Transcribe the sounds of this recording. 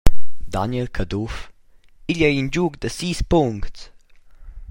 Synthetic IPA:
d̪a̰njɛlkʰəduf | iʎəind͡ʒuːɡd̪əsiːspʊŋkts

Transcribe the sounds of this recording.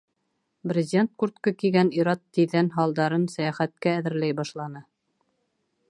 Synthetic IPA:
brʲɪzʲent̪̚kuɾt̪kɤkiɡæniɾɑt̪ːiðænɦɑlˠd̪ɑɾɤnsæjæχæt̪̚kæːðɘ̆ɾlæjbɑʃlˠɑnɤ

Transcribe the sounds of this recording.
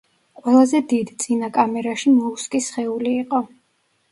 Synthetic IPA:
qʼwɛlˠazɛd̪id̪t̪sʼinakʼamɛɾaʃimɔuskʼisχɛuliːqʼɔ

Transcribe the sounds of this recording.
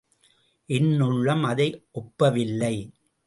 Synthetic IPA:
ʔɪnːɯɭːɐmɐðɐɪʔɔpːɐʋɪlːɐɪ

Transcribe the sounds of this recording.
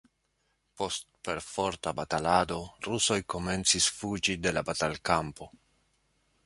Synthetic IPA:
po̞stpe̞ɾfo̞ɾtabatalado̞ɾuso̞jko̞me̞nt͡sisfud͡ʒide̞labatalkampo̞

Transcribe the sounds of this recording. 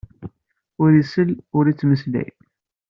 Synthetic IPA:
ʊɾisəlʊɾit͡sːməslæ̰j

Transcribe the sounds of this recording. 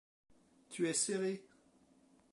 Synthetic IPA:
t̪ʰyɛseʁe

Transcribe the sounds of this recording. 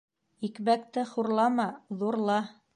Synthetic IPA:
ikβækt̪ɘχuɾlˠɑmɑðuɾlˠɑ

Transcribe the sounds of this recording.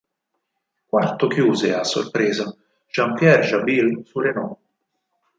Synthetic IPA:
kwart̪okjuːzeasːo̰rpɾeːza | ʒ̥ampjɛɾʒabilsuɾenɔ

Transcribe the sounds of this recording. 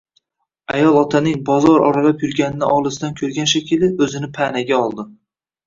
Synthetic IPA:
ajɒlˠɒt̪ʰanɪŋbɒzɒɾɒ̰ɾalapjʊɾɡʲanɪnɪʔɒlˠɪsd̪ankʲʰɵɾɡʲanʃakʲɪlɪɵzɪnɪpʰanaɡʲaɒlˠd̪ɪ

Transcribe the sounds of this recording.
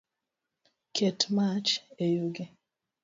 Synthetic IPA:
kʰetmat͡ʃejuɡe

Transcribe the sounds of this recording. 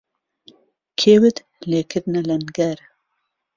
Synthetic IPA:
kʰeːwɨd̪ | leːkʰɨɾnalɐnɡɐɾ

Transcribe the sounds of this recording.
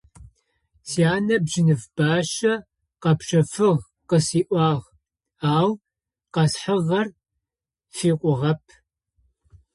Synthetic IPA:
siaːnɐbʒɪnɨvb̥aːʃɐ | qɐpʃɐfɨʁ | qəsiːʔʷɑːʁ | aːw | qɐsħəʁɐr | fiːqʷʼʊʁɐpʰ

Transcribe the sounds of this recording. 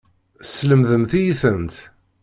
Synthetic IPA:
sləmðəmθijiθənt̪

